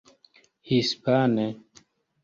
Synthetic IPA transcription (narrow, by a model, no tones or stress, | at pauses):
hispanɛ